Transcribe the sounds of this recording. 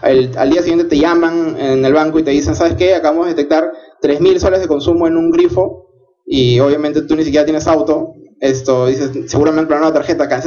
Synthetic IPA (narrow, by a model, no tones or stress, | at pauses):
ela̰ld̪iasiɣjent̪et̪e̞ʝamaŋene̞lβaŋkoit̪e̞ðise̞nsaβe̞skeakaβamozðeet̪ek̚t̪aɾt̪ɾe̞zmilsolezðekonsumo̞e̞nũŋɡɾifo̞ | io̞βjament̪et̪unisik̬ʲjeɾat̪jenesawt̪o̞est̪oðisesse̞ɣuɾamẽnenanweat̪aɾxe̞t̪akans